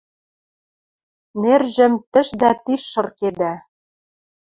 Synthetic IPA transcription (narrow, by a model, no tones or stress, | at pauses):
nerʒɘ̆mt̪ɘ̆ʃd̪æt̪iʃːɤ̆rked̪æ